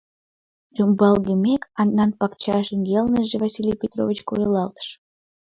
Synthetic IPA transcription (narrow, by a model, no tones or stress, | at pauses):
jumbɑlɣemekɑnːɑnpɑkt͡ɕɑʃənɡelnəʒevɑsilʲijpʲet̪ro̰vʲit͡ɕko̰jəlɑlt̪ə̥ʃ